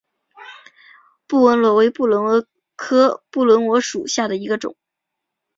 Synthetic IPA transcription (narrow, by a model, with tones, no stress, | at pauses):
pu˥˩wə˧˥nlwɔ˧˥we˧˥ɪpu˥˩lwə˧˥nwɔ˧˥ | kʰɤ˥pu˥˩lwə˧˥nwɔ˧˥ʂu˨˩ɕja˥˩d̪ə˩i˧˥ɡə˧ʈ͡ʂʊ̰˨˩˦ŋ